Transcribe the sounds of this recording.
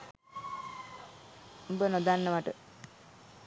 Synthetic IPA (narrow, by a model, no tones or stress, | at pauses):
m̩bənod̪anːəʋaʈə